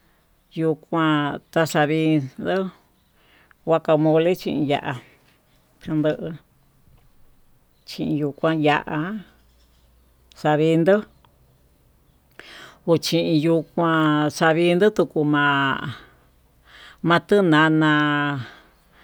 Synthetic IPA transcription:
ju˧kʷã˧t̪a˧ʂa˧βi˧nd̪ɨ˦ | wa˦ka˧mõ˧le˦t͡ʃḭ̃˧ʔĩ˧ja˧ʔa˧ | kɨ˧nd̪ɨ˧ʔɨ˧ | t͡ʃĩ˧ʔĩ˧ju˧kʷã˧ja˧ʔa˧ | sa˧βi˧nd̪ɨ˦ | o˧t͡ʃĩ˧ʔĩ˧ju˧kʷã˧sa˧βi˧˦nd̪ɨ˦t̪u˧ku˧mã˧ | mã˧t̪ɨ˦nã˧nã˧

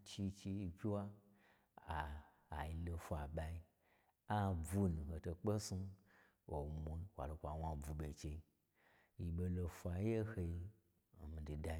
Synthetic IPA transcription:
t͡ʃi˧t͡ʃi˧i˧vʲi˦wa˦ | aː˨ | ji˧lo˧fʷa˨ɓa˧i˧˦ | a˦b͡vu˦nũ˨ho˨to˧k͡pe˦su˦ | wo˨mu˧˦wʷa̰˨lo˧kʷa˨wa˧˨b͡vu˧˨ɓʲe˨t͡ʃe˧i˦ | ji˧ɓo˧lo˧fʷa˧˦je˦he˧i˧˨ | mi˨di˨da˧

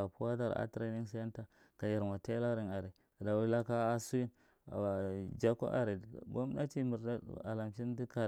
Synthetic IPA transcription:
a˨pu˦wa˦da˦ɾa̰˦tɾa˦ni˦n˦sa˦ja˦nta˦ | ka˨ja˨ɾma˨te˦la˦ɾi˨na˨ɾe˨da˨wu˦la˦kaː˦su˦ji˦n˨ | d͡ʒa˦ko̰˦ʔa̰˨ɾe˨bo˦m˦na˦t͡ʃi˦mi˨ɾda˦a̰˨la˨mt͡ʃi˦n˦di˦ka˨

